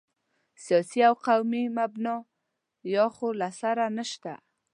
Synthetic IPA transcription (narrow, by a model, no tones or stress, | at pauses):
sijɑsiawqawmimabnɑ | jɑxolasaɾanəʃt̪a̰